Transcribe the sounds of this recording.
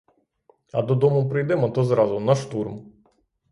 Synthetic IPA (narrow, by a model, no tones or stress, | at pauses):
ɐd̪ɔd̪ɔmʊpɾɪjd̪ɛmɔt̪ɔzɾɑzʊnɐʃt̪urm